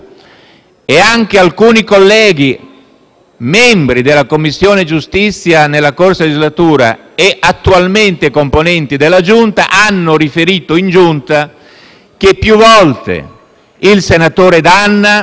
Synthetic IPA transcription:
eaŋk̟ealkuːnikolːɛːɡi | mɛmbɾid̪elːakomːisːjoːned͡ʒust̪it̪sːjanelːakorsad͡ʒizlat̪uːɾa̰ | eʔat̪ːualment̪ekomponɛnt̪id̪elːad͡ʒunt̪aʔanːoɾifeɾiːt̪oind͡ʒunt̪a | k̟epːjuvɔlt̪ḛ | ilsenat̪oːɾed̪anːa

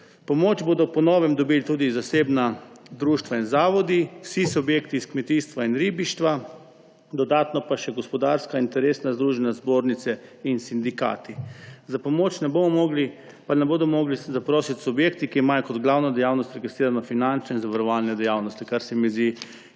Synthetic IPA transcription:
pɔmoːt͡ʃboːd̪ɔpɔnɔːʋɛmd̪ɔbilt̪uːd̪izaseːbnad̪ɾuːʃt̪ʋainzaːʋɔd̪iwsisubjeːkt̪iːskmɛt̪iːst̪ʋainɾiːbiʃt̪ʋa | d̪ɔd̪aːt̪nɔpaʃɛɡɔspɔd̪aːɾskaint̪ɛɾeːsnazd̪ɾuːʒɛnazboːɾnit̪sɛinsind̪ika̰ːt̪izapɔmoːt͡ʃnɛboːmɔmɔːɡli | panɛboːd̪ɔmɔːɡlizapɾoːsit̪ʲsubjeːkt̪ikiimajɔkɔd̪ɡlaːwnɔd̪ɛjawnɔst̪ɾɛɡist̪ɾiːɾanɔfinant͡ʃnɔinzaʋaɾɔʋalnɛd̪ɛjaːwnɔst̪ikaɾsɛmizd̪i

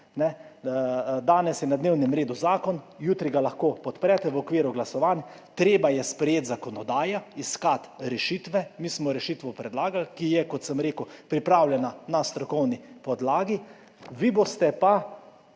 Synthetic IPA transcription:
nɛ | d̪aːnɛsjɛnad̪neːwnɛmɾeːd̪uzaːkɔn | juːt̪ɾiɡalaxkoːpɔt̪pɾɛt̪ɛʋɔkʋiːɾuɡlasɔʋaːn | t̪ɾeːbajɛspɾɛjeːt̪zakɔnɔd̪aːjaiskat̪ɾɛʃiːt̪ʋɛmiːsmɔɾɛʃit̪ʋɔpɾɛd̪laːɡalkijɛkɔt̪səmɾeːkupɾipɾaːwlʲjɛnanast̪ɾɔkɔwnipɔd̪laːɡi | ʋibost̪ɛpa

